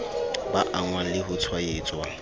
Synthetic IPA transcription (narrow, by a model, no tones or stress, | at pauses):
ba̰ʔaŋwaŋ̩lɪɦʊt͡sʰwaet͡sʼwa